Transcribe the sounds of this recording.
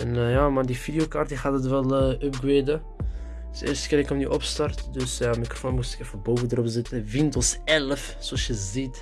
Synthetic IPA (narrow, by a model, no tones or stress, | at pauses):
ɛnjaːmardifidijokaːrt̚diχaːdətʋɛlˠøp̚ɡʋeːdə | sɪ̰ːrstə̥kɪnɪkɔmnyʔɔpstɑrtdøsjamikro̥foːnmustɪ̥kɛfəbowvədərɔpzɪtəvɪntəlˠsɛləf | soɔsjəzit